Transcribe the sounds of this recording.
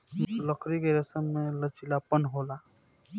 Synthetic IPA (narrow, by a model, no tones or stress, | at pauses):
ləkʰɾikeɾəsəmːelət͡ʃilapənɦola